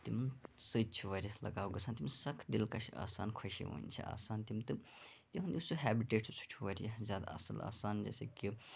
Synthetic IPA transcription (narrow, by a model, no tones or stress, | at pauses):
t̪imsɨt͡ʃʰuʋɐɾjɐlɐɡaːwɡɐsʰaːnt̪imsɐkʰd̪ilkaʃʰia̰ːsaːnkʰɐʃḭɦṵːnʲt͡ʃʰḭʔa̰ːsaːnt̪imt̪ɨt̪iɦund̪ʲiusuɦæːbiʈeːʈsut͡sʰu̥t͡ʃʰuʋɐɾʲjɐzjaːd̪a̰ɐ̰sɐla̰ːsaːnd͡ʒḛseki